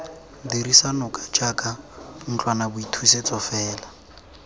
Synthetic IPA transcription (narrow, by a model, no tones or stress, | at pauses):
diɾisanɔkʼat͡ʃʼakʼan̩t͡ɬʼwanabʊitʰuset͡sʼɔfɛːla